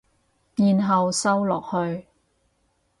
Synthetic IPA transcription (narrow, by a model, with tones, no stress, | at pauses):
jiː˨nɦɐ˨wsɐ˥wlɔː˨k̚hɵ˧ɥ